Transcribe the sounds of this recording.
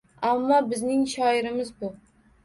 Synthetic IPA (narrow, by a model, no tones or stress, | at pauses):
amːɒbɪznɪŋʃɒɪɾɪmɪzbʊ